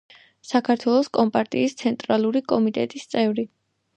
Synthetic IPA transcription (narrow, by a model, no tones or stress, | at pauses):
sakʰaɾt̪ʰwɛlˠɔskʼɔmpʼaɾt̪ʼḭːst̪sʰɛnt̪ʼɾalˠuɾikʼɔmit̪ʼɛt̪ʼist̪sʼɛvɾi